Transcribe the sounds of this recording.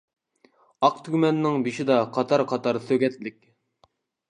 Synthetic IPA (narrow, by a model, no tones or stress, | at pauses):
ɑqt̪ʰyɡʲmɛnːɪŋbiʃid̪ɑqʰɑt̪ʰɑɾqʰɑt̪ɑɾsøɡʲɛt̪lɪkʲ